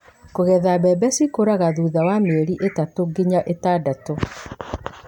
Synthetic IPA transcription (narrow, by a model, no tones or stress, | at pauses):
koɣɛðabɛbɛsikoɾaɣaðuːðawameɾiʔetatoɡiɲaʔetadato